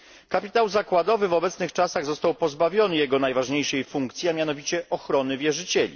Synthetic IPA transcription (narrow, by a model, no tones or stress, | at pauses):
kapʲi̥t̪awzakwad̪ɔvɘvɔbɛt̪snɘxt͡ʂasaɣzɔst̪awpɔzbavʲjɔnɘjɛɡɔnajvaʐɲejʂɛjfuŋkt̪sʲjiamʲjanɔvʲit͡ɕɛʔɔxɾɔnɘvʲjɛʐɘt͡ɕɛlʲḭ